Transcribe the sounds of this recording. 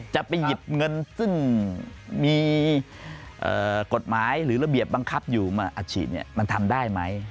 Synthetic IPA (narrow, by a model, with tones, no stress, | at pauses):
t͡ɕa˨˩ʔpa˧jːi˨˩p̚ŋɤ˧nsɯ˥˩ŋ | miː˧ | ʔɤː˨˩ko˨˩t̪̚maː˩˦jɾɯː˩˦ɾa˧bi˨˩əp̚ba˧ŋkʰa˦˥p̚juː˨˩maː˧ʔa˨˩t̪̚t͡ɕʰiː˨˩t̪̚nḭ˦˥˩əma˧nt̪ʰa˧mdaː˥˩jma˦˥j